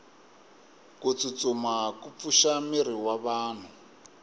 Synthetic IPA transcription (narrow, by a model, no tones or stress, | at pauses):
kut͡sut͡sʼumakup̪fuʃamiɾiwaβaːn̤u